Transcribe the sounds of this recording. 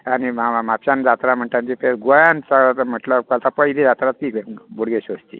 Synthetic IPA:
aniamapɕand͡zat̪ɾam̤əɳʈãnt͡ɕipʰeɾɡojansəɡɭat̪m̤əʈlakalt̪apəjd̪ʱid͡zat̪ɾat̪ːiːbuɽɡeɕost̪ḭ

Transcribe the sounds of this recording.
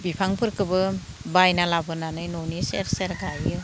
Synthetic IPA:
bipʰaŋpʰɯɾkɯbɯ | bajnalabɯnanɯjnonisḛɾseɾɡajɯ

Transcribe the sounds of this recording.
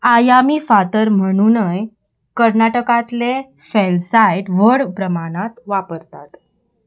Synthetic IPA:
ajamiːfat̪əɾm̤əɽ̃unəj | kəɾnaʈəkãt̪le | felsajʈʋəɽpɾəmaɽ̃at̪ʋapəɾt̪at̪

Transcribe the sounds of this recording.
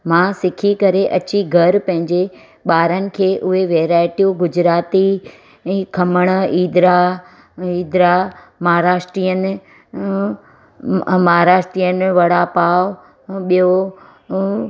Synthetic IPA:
mãsɪkʰikɐɾeʔɐt͡ɕiɡʱɐɾpɐ̃ɦɪ̃ɲd͡ʑe | ɓaːɾənɪ̆kʰeːʔʊɦeʋeːɾaːɪʈijuɡʊd͡ʑɾaːt̪i | kʰɐməɽ̃iːd̪ɾa | iːd̪ɾa | mɐɦaɾaːʃʈɾijənɪ̆ | mɐɦaɾaːʃʈɾijənɪ̆ʋɐɽapaːʋ | ɓijo

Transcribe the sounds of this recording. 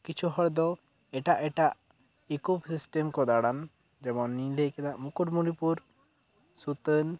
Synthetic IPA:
kit͡ʃʰuɦɔɾd̪ɔ | ɛʈaʔɛʈaʔ | ikupsisʈɛmkɔd̪aɽan | d͡ʒɛmɔnːĩlekɛd̪aʔmukuʈmuɽipuɾ | sut̪ən

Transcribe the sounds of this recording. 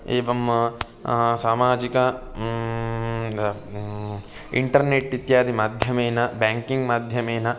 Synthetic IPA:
eːʋɐm | saːmaːd͡ʒikɐ | ḭɳʈɐɾneʈːit̪jaːd̪imaːd̪ʱjɐmeːnɐbaːŋkiŋɡmaːd̪ʱjɐmeːnɐ

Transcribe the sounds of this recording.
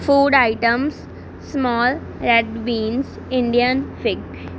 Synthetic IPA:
fuːɖaɪʈə̃ms | smɔːl | ɾɛɖbĩːns | ɪ̃ɳɖijənfɪɡ

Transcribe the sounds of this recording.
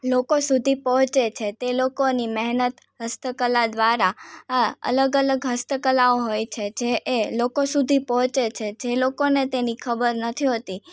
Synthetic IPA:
lokosud̪ʱipəɦɔ̃t͡ʃet͡ʃʰet̪elokonimɛɦnət̪ | ɦəst̪əkəlad̪ʋaɾa | ə̰ləɡələɡɦəst̪əkəlaoɦojt͡ʃʰed͡ʒeʔːlokosud̪ʱipɔɦɔ̃t͡ʃet͡ʃʰed͡ʒelokonet̪enikʰəbəɾnət̪ʰiɦot̪i

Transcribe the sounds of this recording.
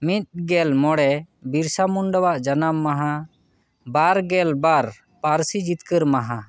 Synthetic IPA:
mit̪̚ɡɛlmɔɽɛ | biɾsamuɳɖəwaʔd͡ʒanamːaɦã | baɾɡɛlbaɾ | paɾsid͡ʒit̪kəɾmaɦã

